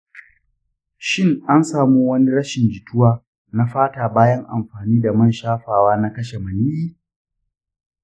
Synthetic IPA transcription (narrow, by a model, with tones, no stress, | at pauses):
ʃɪ˦˨ŋʔa˦nsaː˨muː˦wɐ˦ni˦ɾɐ˦ʃɪ˨nd͡ʒɪ˨tʊ˦waː˦ | na˦ɸaː˦taː˨baː˦jɐ˦ŋʔa̰˨mɸaː˨niː˦da˨mɐ˦nʃaː˦ɸaː˨waː˦na˦kɐ˦ʃe˨mɐ˨ni˦ʔiː˦